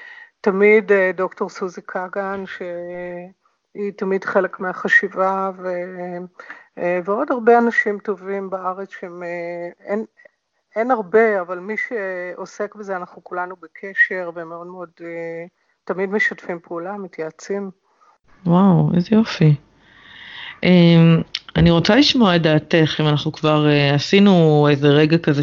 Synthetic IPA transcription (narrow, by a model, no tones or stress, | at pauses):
tamidedo̞kto̞ʁsuzikʰaɡanʃe | itamidχe̞le̞kmeaχaʃivave | veo̞daʁbeanaʃimto̞vimbaaʁet͡sʃeemen | enaʁbe̞avalmiʃeose̞kbezeanaχnukulanubekʰe̞ʃe̞ʁvemeo̞dmeo̞de | tamidmeʃatfimpʰeulamitjaːt͡sim | wawezejo̞fi | ʔemaniʁo̞t͡saliʃmoaedaːte̞χimanaχnukvaʁeasinuejze̞ʁe̞ɡakaze